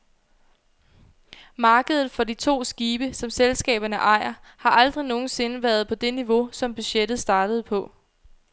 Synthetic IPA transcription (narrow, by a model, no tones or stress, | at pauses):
mɑ̈ːɡ̥əðˠð̩ˠfɒ̽dit͡sʰo̝̰ːsɡ̥iːb̥əsɒ̽mselsɡ̥ɛ̰ːb̥ɐnəʔɑ̈ɪ̰ɐhɑ̈ʔɑld̥ʁino̝ːn̩se̝nəʋæɐð̞̩ˠpʰɒ̽d̥e̝niʋo̝sɒ̽mb̥yɕed̥ð̩ˠsd̥ɑ̈ːd̥əð̞̩ˠpʰɒ̽